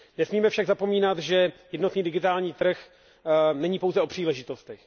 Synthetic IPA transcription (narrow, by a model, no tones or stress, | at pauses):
nɛsmiːmɛfʃaɡzapo̞miːnat̪ʒɛjɛdnoniːdɪɡɪt̪aːlɲiːt̪r̩x | nɛɲiːpo̞wzɛʔo̞pr̥iːlɛʒɪt̪o̞st̪ɛx